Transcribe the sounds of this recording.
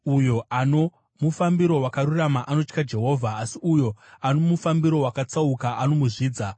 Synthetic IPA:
ujo̞ʔano̞ | mufambiɾo̞wakaɾuramaʔano̞t͡ʃkad͡ʒe̞ɦo̞ːvʱaːsiujo̞ano̞mufambiɾo̞wakat͡saukaʔano̞muʐiːd͡za

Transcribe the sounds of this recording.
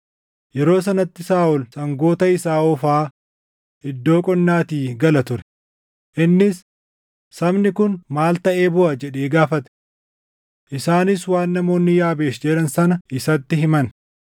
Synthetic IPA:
jɛɾo̞ːs̬ɐnɐt̪ːɪsaːʔʊlsɐŋɡo̞ːt̪ɐɪsaːɔfaː | ɪd̪ːo̞ːkʼɔnːaːt̪iːɡɐlɐt̪ʊɾɛ̥ | ʔɪnːɪsː | ɐbnɪkʊnmaːlt̪ɐʔe̞ːbʊʔɐd͡ʒɛᶑe̞ːɡaːfɐt̪ɛ̥ | ʔɪsaːnɪs̬waːnːɐmo̞ːnːɪjaːbeːʃd͡ʒɛᶑɐnsɐnɐʔɪsɐt̪ːɪhɪmɐn

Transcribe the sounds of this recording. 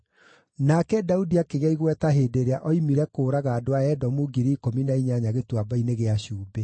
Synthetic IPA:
nakɛdaudiakeɣaiɣwɛtaɦeːdeɾeaʔɔimiɾɛkoːɾaɣaːdoaɛdɔmuɡiɾiikominaiɲaɲaɣetwabaineɣeaɕuːbe

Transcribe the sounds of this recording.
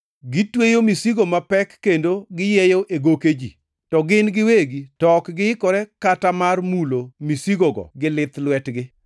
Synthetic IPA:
ɡɪtwejomisiɡomapɛkːendoɡɪjɛjoʔeɡoked͡ʒḭ | tɔɡɪnɡɪweɡitɔkɡɪɪkɔɾɛkatamarmulomisiɡoɡɔ̰ɡɪlɪt̪lwɛtɡɪ

